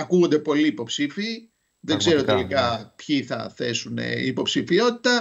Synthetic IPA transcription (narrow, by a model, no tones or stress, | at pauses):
ɐkuɣond̪e̞po̞liːpo̞psifiː | ðeɡze̞ɾo̞t̪elikɐpçiθɐ̰θe̞sunḛḭːpo̞psifio̞t̪i̥t̪ɐ